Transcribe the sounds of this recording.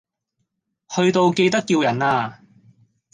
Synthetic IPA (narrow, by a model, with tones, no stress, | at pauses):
hɵ˧ɥt̪o˧wke˧jt̪ɐ˥kːiː˧wjɐ˨˩naː˧